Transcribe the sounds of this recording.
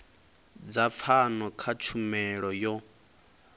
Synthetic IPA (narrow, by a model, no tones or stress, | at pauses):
d͡zap̪fʰanɔkʰat͡ʃʰumɛɺɔjɔ